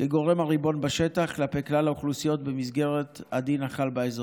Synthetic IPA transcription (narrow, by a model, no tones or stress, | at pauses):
keɡo̞ʁe̞mhaʁibo̞nbaʃetaχklape̞jklalauχlusijo̞t̪bemizɡe̞ʁet̪ad̪inaχalbaezo